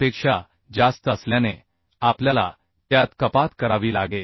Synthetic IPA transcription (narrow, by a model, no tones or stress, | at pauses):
pekʂa | d͡zast̪əsljane | apljala̰ | t̪jat̪kəpat̪kəɾaʋiːlaɡe